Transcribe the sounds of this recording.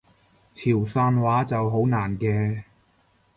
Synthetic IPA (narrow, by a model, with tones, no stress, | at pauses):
t͡sʰiː˨˩wsaː˧nwaː˨˥t͡sɐ˨wɦo˨˥wnaː˨˩nkɛː˧